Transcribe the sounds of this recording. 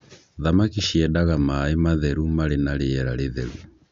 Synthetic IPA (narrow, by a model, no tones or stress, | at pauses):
ðamakiʃɛdaɣamaːemaðɛɾumaɾenaɾeɛɾaɾeðɛ̰ɾu